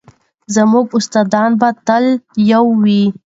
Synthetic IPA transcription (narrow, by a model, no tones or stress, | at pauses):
zəmuɡʊst̪ɑd̪ɑnbat̪əljawːi